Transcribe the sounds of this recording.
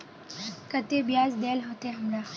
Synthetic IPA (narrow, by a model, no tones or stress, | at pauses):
kət̪ebjazd̪elɦot̪eɦəmɾa